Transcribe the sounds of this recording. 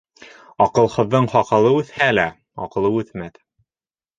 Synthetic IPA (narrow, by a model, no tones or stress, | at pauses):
ɒqɤ̆lˠhɤ̆ðːɤɴχɒqɑ̆lˠɤʉθhælæ | ɒ̰qɤ̆lˠɤʉθmæt̪